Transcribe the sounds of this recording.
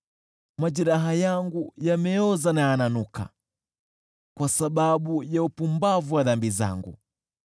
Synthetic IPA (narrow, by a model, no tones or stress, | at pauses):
mad͡ʒiɾaɦajaŋɡujamɛɔzanaananuka̰ | kwasaɓaɓujaupumbavuwaðambiza̰ŋɡṵ